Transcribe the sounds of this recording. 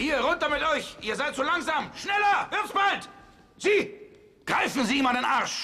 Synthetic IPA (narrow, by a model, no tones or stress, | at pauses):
hiːɐʁʊntɐmɪtʔɔʏçʔiːɐzaɪtz̥oːlaŋzaːmʃnɛlɐvɪɐtsb̥alt | z̥iː | ɡ̥ʁaɪfn̩ziːmandenʔaɐʃ